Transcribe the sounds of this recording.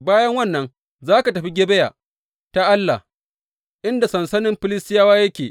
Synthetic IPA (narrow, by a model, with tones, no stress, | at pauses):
baː˦jɐ˦ŋwɐ˦nːɐ˦n | zaː˦ka˨tɐ˨ɸi˦ɡʲe˦bɛ˦ja̰ː˨ | ta˦ʔa˦lːa̰˨ | ʔɪ˦nda˨sɐ˨nsɐ˦nɪ˦mɸɪ˦lɪ˦stɪ˦jaː˦waː˦jɐ˦kʲeː˨